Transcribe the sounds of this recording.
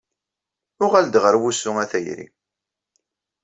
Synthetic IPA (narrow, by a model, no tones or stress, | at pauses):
ʊʁæld̪ʁəɾwusːʊŋæθæjɾḭ